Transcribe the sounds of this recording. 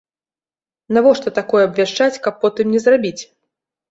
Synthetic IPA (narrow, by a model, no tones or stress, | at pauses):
navɔʂt̪ɔt̪akɔjɛɐbvʲaʂt͡ʂat͡sʲkɐpːɔt̪ɨmnʲɛzrabʲit͡sʲ